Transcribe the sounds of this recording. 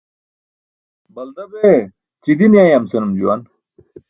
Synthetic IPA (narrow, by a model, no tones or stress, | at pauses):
bɐld̪ɐbe | t͡ɕid̪inijaːjɐmsenumd͡ʑuwan